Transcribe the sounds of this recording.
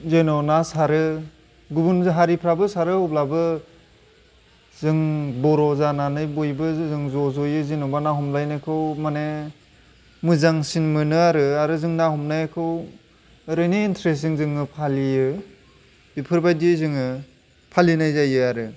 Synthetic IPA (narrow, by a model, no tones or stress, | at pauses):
zenɔnasaɾɯ | ɡubunzɦaɾipʰɾabɯsaɾɯɔblabɯ | zɯŋbɔɾɔzananɯjbojbɯzɯŋzɔzɔjɯzinɔbanaɦɔmlajnɯjkʰɯwmane | mɯzaŋsinmɯnɯaɾɯaɾɯzɯŋnahumnajakʰɯw | ɾɯniintʰɾes̬iŋzɯŋɯpʰalijɯ | bipʰɯɾbajdizɯŋɯ | pʰalinajzajɯaɾɯ